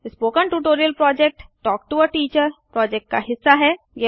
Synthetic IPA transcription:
ɪspoːkə̃ɳʈuːʈoːɾijəlpɾɔːd͡ʒek̚ʈːɔːk̚ʈuəʈiːt͡ʃəɾpɾɔːd͡ʒek̚ʈkaɦɪsːaɦɛ | je

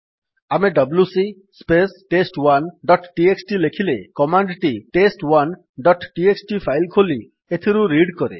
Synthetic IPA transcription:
ameɖɔbljusi | spesʈesʈwanɖɔʈʈieksʈilekʰilekɔmaɳɖʈiʈesʈwan | ɖɔʈʈieksʈipʰajlkʰoli | et̪ʰiɾuɾiɖkɔɾḛ

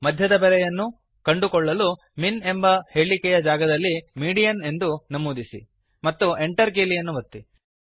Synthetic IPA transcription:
mɐd̪ʱjɐd̪ɐbɛɾɛjɐnːu | kɐɳɖukɔɭːɐlu | mine̞mbɐhe̞ːɭikɛjɐd͡ʒaːɡɐd̪ɐlːimiːɖijɐne̞nd̪unɐmuːd̪isḭ | mɐt̪ːue̞ɳʈɐɾk̬eːlijɐnːuʋɐt̪ːi

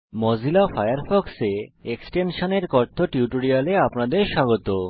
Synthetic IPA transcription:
mod͡ʑʱilafajaɾfɔkseeksʈenʃoneɾkɔɾt̪ʰːoʈiuʈoɾialeapnad̪eɾʃaɡot̪o

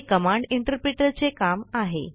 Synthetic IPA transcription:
kəmaɳɖiɳʈəɾpɾiʈəɾt͡sekamaɦḛ

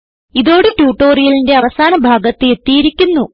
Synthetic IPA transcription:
iðo̞ːɽetuːʈːoːrijɐlinde̞ɐʋɐsaːnɐbʱaːɡɐt̪ːɨe̞t̪ːijiɾikʲːunːu

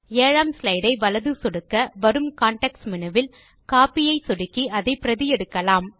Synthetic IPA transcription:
eːɻaːmslɐɪɽɐɪʋɐlɐðɯsɔɽɯkːɐʋɐɾɯmkaːɳʈɐksmɪnɐʋɪl | kaːpɪjɐɪsɔɽɪkːiʔɐðɐɪpɪɾɐðɪjɛɽɯkːɐlaːm

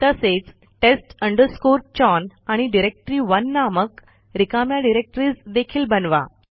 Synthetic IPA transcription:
t̪əset͡s | ʈesʈəɳɖəɾskoɾt͡ɕɔnaɽ̃iɖiɾek̚ʈɾiːʋənːamək | ɾikamjaɖiɾek̚ʈɾiːsd̪ekʰiːlbənʋa̰

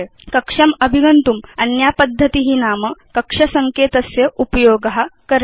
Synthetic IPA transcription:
kəkʂɐməbʱiɡənt̪uːmɐnjapəd̪ʱːət̪iɦiːnaməkəkʂɐsəŋkeːt̪əsjeʔupəjoɡɦakəɾ

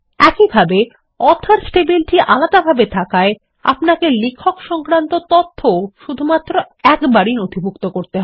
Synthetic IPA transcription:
ɛkibʱabe | ɔt̪ʰaɾsʈebilʈiʔalad̪abʱabet̪ʰakae | a̰pnakelikʰːokʃɔŋkɾant̪ot̪ot̪ʰːoʃud̪ʱumat̪ːɾo | ɛkbaɾinod̪ʱibʱukt̪okoɾt̪eɦɔe

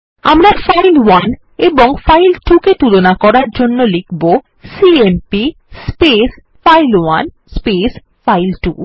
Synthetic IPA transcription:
amɾafajlwan | eboŋfajlʈuket̪ulonakɔɾaɾd͡ʑonːolikʰbo | siempi | spes | fajlwan | spes | fajlʈu

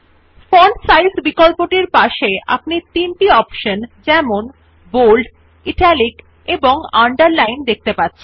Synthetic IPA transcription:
fɔnsajsbikolpoʈiɾpaʃeʔa̰pnit̪inʈiɔpʃond͡ʑɛmon | bolɖ | iʈɛlik | eboŋaɳɖaɾlajnd̪ek̚t̪epatːɕʰen

